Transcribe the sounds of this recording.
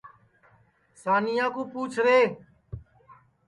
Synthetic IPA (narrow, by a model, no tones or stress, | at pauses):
saːnijãːkũːpuːt͡ʃʰɾeː